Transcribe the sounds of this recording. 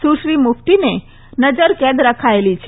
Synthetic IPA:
suʃɾimuft̪ine | nəd͡ʒəɾkɛ̃d̪ɾəkʰaelit͡ʃʰ

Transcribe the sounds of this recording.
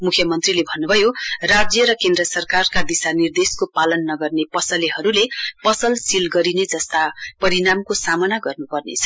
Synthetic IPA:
mukʰjʌmʌnt̪rilebʱʌnːubʱʌjorad͡zjʌɾʌkend̪rʌsʌrkarkad̪isanird̪eskopalʌnːʌɡʌrnepʌsʌliɦʌɾulepʌsʌlsilɡʌɾined͡zʌst̪apʌɾinamkosamʌnaɡʌrnupʌrnḛt͡sʰʌ̥

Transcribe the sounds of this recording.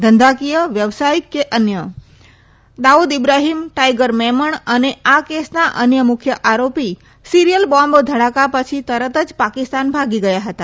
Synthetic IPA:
d̪ʱənd̪ʱakijəʋjəʋsaikːeʔənjə | d̪aud̪ibɾaɦimʈajɡəɾmɛməɳəneakesnaʔənjəmʊkʰjəʔaɾopi | siɾijəlbɔmbd̪ʱəɽakapət͡ʃʰit̪əɾət̪əd͡ʒpakist̪anbʱaɡiɡəjaɦət̪a

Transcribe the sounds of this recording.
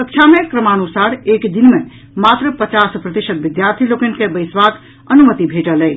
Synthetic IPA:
kək̚t͡ʃʰamekɾəmanusaɾekd̪inme | mat̪ɾəpət͡ʃaspɾət̪isəd̪ʋid̪jaɾt̪ʰilokənkebəɪsbak | ənumət̪ibʱeʈələ

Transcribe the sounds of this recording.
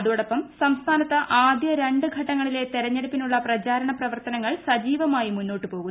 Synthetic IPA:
ɐðuʋɽɐpːɐmsɐmst̪ʰaːnɐt̪ːɐʔʔaːd̪jɐɾe̞ɳɖɨɡʱɐʈːɐŋːɐɭile̞t̪iɾɐɲːeɽupːinuɭːɐprɐt͡ɕaːɾɐɳɐprɐʋɐrt̪ɐnɐŋːɐɭsɐd͡ʑiːʋɐmaːjimunːo̞ːʈːɨpo̞ːɣun

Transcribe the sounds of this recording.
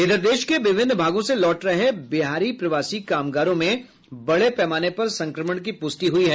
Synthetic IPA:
ɪd̪əɾd̪eːʃkeʋɪʋɪnd̪bʱaːɡõselɔːʈɾɐɦebɪɦaːɾiːpɾɐʋaːsikaːmɡaːɾõmẽ | bɐɽepɛːmaːnepɐɾsɐ̃ŋkɾəməɳ̃k̬ipʊst̪iɦʊiɦɛː

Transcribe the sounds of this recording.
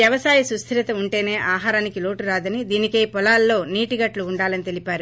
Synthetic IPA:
jɐʋɐsaːjɐsust̪ʰiɾɐt̪ɐuɳʈe̞ːne̞ːʔaːɦaːɾaːnikilo̞ːʈuɾaːd̪ɐnid̪iːnike̞ːpɔlaːlːo̞ːniːʈiɡɐʈluːɳɖaːlɐnit̪e̞lipaːɾu

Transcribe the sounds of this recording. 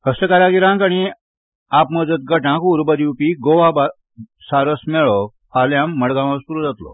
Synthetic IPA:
həst̪əkaɾaɡiɾãŋkaɽ̃i | apməd͡zət̪̚ɡəʈãkuɾbəd̪iupiɡoʋaba | saɾəsmɛɭɔ | pʰaljãmːəɽɡãmaspuɾud͡zat̪lɔ̰

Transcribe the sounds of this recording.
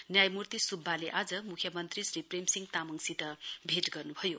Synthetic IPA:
njajmurt̪isubʱːaleʔad͡zʌmukʰjʌmʌnt̪risripremsiŋt̪amʌŋsit̪ʌbʱeʈɡʌrnubʱʌjo

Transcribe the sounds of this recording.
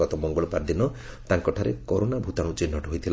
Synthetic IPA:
ɔt̪ɔmɔŋɡɔɭɔpaɾd̪inɔ | t̪aŋkɔʈʰaɾekɔɾonabʱut̪aɽ̃ũt͡ʃinːɔʈɔɦojt̪ʰil

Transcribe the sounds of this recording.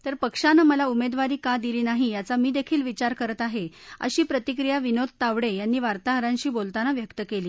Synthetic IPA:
t̪əɾpəkʂanəməlaumed̪ʋaɾiːkad̪iliːnaɦijat͡samiːd̪ekʰiːlʋit͡ɕaɾkəɾət̪aɦeə̰ɕiːpɾət̪ikɾijaʋinod̪̚ʱt̪aʋɽejanːiːʋaɾt̪aɦəɾãɲt͡ɕiːbolt̪anaʋjəkt̪əkeliː

